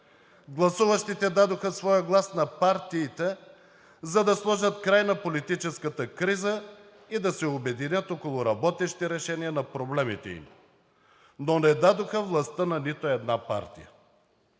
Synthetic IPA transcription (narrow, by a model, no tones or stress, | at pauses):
ɡlˠɐsuvɐʃt̪it̪ɛd̪ad̪oxɐsvɔjəɡlˠasnɐpaɾt̪iːt̪ɛ | zɐd̪ɐslˠɔʒət̪kɾajnɐpolit̪it͡ʃɛskət̪əkɾizə | id̪ɐsɛobɛd̪inʲət̪ɔkolˠʊɾɐbɔt̪ɛʃi̥t̪ɛɾɛʃɛniɐnɐpɾoblɛmit̪ɛ̰ḭm | nonɛd̪ad̪oxəvlˠɐst̪ənɐnit̪oɛd̪napa̰ɾt̪ḭjə̰